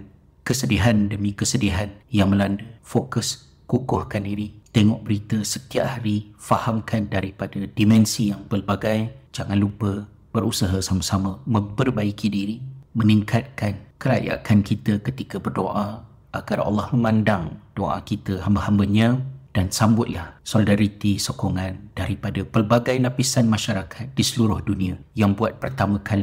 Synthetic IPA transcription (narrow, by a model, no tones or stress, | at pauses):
n | kəsədiɦandəmĩkəsədiɦanjaŋmə̃landufokəs | kukʊhkandiɾit̪ɛŋɔʔbəɾit̪əsət̪iaʔhaɾifahamkʰandaɾipadadimɛ̃nsijaŋpərbaɡajd͡ʒaŋãnlupə | b̥əɾusaɦasamasamamə̃mpərbaikʰidiɾiməniŋkat̪̚kankəɾa̰ja̰kankit̪əkət̪ikəbərdoʔa | ʔaɡarɑ̰lːɑhməmãndaŋd̥oʔa̰kit̪əɦambahambaɲãd̥ansambʊt̪̚lahsolidaɾit̪isokɔŋãnd̥aɾipadapəlbaɡajlapisanmãʃaɾakʰat̪̚disəluɾʊhdunĩajaŋbuat̪̚pərt̪amãkʰali